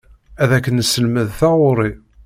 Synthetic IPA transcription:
æðækːənəsəlməðθæʁʊɾˤi

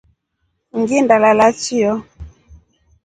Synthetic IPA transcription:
ŋɡindalalat͡ʃiɔ

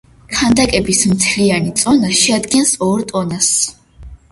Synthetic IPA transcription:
kʰand̪akʼɛbismt̪sʰlianit̪sʼɔnaʃɛad̪ɡɛnsɔɾt̪ʼɔnas

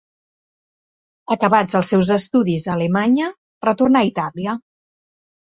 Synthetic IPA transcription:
əkəβad͡zəlˠsɛwzəst̪uðizələmaɲə | rət̪urnait̪aliə

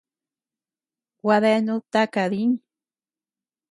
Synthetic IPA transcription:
waðenut̪akaðin

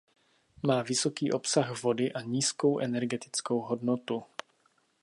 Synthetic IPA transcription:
maːvɪso̞kiːʔo̞psaɣvo̞dɪʔaɲiːsko̞wʔɛnɛɾɡɛt̪ɪ̥t͡sko̞wɦodnot̪u

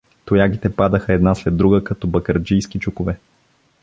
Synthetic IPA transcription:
t̪ʊjaɡit̪ɛpad̪əxəɛd̪naslɛd̪ːɾuɡəkɐt̪ɔbɐkəɾd͡ʒijsk̟it͡ʃukʊvɛ

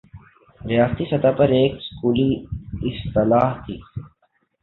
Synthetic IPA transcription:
ɾɪjaːst̪isɐt̪apɐɾeːkskuːliɪst̪ɪlaːɦt̪ʰiː

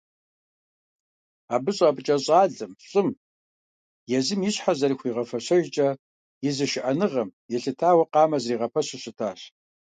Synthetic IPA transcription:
aːbɨɕʼabʼɨt͡ʃʼɐɕʼɑːɮɨmɕɕʼɪm | jɛzɨmjɪɕħazɐrixʷiːʁɐfɐɕɐʒt͡ʃʼɐ | jɪzɨʃɪʔɐnɨʁɐmjɛɬɨtʰaːwɐqɑːmɐzriːʁɐpʰɐɕɪɕʼɪtʰaːɕ

